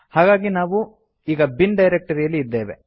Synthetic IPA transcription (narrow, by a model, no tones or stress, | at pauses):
haːɡaːɡinaːʋu | iːɡɐbinɖɐjɾek̚ʈɐɾijɐlːiːd̪ːeːʋḛ